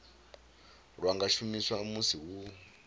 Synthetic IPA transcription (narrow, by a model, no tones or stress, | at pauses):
rwaŋɡaʃumiswamusiwu